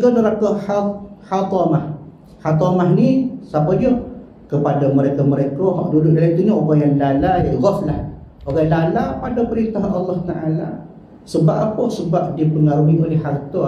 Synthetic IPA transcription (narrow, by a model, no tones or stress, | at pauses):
ɡɔnəɾakəhahat̪ɔmah | hat̪ɔmaɦnisapadoh | kəpadaməɾekaməɾekəɦɔ̰ʔduduʔdalait̪uɲaʔoɡaŋjaŋlalajaʔɣɔfla | oɣalalapadapəɾint̪aɦanɑlːɑht̪aʔala̰ | səbapapəsəbap̚dipəŋaɾuiolehːart̪ɔ